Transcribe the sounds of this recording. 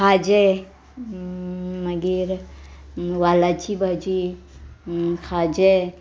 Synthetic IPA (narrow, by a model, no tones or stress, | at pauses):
xaːd͡ʒe | mɐɡiɾ | waːlat͡ʃibad͡ʒi | xaːd͡ʒe